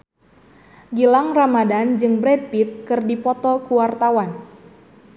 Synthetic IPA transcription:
ɡilaŋramadand͡ʒɨŋbɾɛt̪̚pit̪̚kɨrdipɔt̪ɔkuwart̪awan

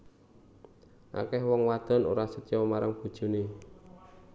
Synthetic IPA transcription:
ʔa̰kɛhwɔŋwad̪̥ɔ̤nṵɾasət͡ʃɔmaɾaŋb̥ṳd̥ʒ̥ṳne

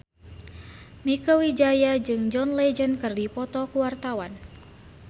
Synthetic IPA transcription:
mikɔwid͡ʒajad͡ʒɨŋd͡ʒɔnled͡ʒənkɨrdipɔt̪ɔkuwart̪awan

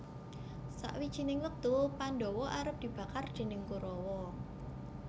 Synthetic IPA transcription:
sa̰ʔwid̥ʒ̥i̤nɪŋlək̚t̪upanɖɔwɔʔaɾəp̚d̪̥i̤b̥a̤kard̥ʒ̥ɛ̤nɪŋkuɾɔwɔ

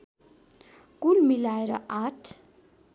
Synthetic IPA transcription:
kulmilaeɾʌʔaʈʰ

